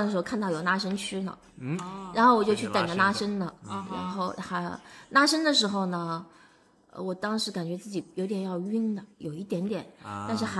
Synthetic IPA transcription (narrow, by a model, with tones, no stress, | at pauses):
də˩ʂɻ̩˧˥o˥˧kʰa˥˧nt̪ɑ˥˩ʊjo˨˩ʊna˥ʂə˥ŋt͡ɕʰy˥lə̰˨ | ɻa˧˥nxo˥˩ʊwɔ˨˩t͡ɕo˥˧ʊt͡ɕʰy˥˩t̪ə˨˩ŋd̪ə˦na˥ʂə˥ŋlə˨ɻa˧˥nxo˥˩ʊxa˧˥na˥ʂə˥ŋd̪ə˨ʂ̬ɻ̩˧˥xo˧ʊnə˩ | ə̰˧wɔ˨˩t̪ɑ˥ŋʂɻ̩˧˥ka˨˩nt͡ɕɥɛ˧˥t͡sɹ̩˥˩t͡ɕi˨˩jo˧˥ʊt̪jɛ˨˩njɑ˥˧ʊy˥nd̪ə˨jo˨˩ʊi˥˩t̪jɛ˧˥nt̪jɛ˨˩˦nt̪a˥˧nʂ̬̩˥˩xa˧˥